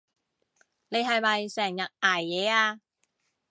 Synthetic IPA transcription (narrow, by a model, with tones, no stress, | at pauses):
ne˨˧jhɐ˨jmɐ˨jsɛː˨˩ŋjɐ˨t̚aː˨˩jːɛː˨˥aː˧